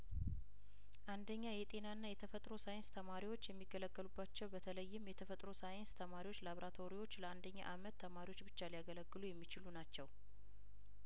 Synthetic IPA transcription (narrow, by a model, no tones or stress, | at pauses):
ʔand̪əɲːajɛt̪ʼe̞naɨnːajɛt̪ʰəfət̪ʼɾo̞sajɪnst̪ʰəmaɾiwo̞t͡ʃːjɛmːiɡːələɡːəlubːat͡ʃːɛwbət̪ʰələjːɪmjɛt̪ʰəfət̪ʼɾosajɪnst̪ʰəmaɾiwo̞t͡ʃːlaβɾat̪ʰo̞ɾiwo̞t͡ʃːləand̪əɲːa̰ʔamət̪ʰːəmaɾiwo̞t͡ʃːbɨt͡ʃːalijaɡələɡːɨlujɛmːit͡ʃɪlunat͡ʃːɛw